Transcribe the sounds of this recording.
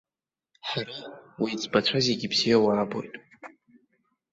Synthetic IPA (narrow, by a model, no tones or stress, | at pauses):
ħarawid͡zbat͡ʃʷʰazeɡʲibz̥ijawaːbo̞̰jtʼ